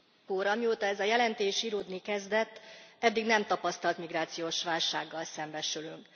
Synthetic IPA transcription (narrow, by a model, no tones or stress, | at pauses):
koːɾɒmioːt̪ɒɛzɒjɛlɛnt̪eːʃiːɾoːd̪nikɛzd̪ɛt̪ːɛd̪ːiɡnɛmt̪ɒpɒst̪ɒlt̪miɡraːt̪sijoːʃʋaːlʃaːɡːɒlsɛmbɛʃylyŋk